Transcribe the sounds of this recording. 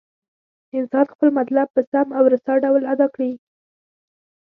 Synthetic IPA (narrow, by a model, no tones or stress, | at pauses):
ɪnsɑnxpəlmat̪lab̚pəsamawɾasɑɖawlad̪ɑkɽi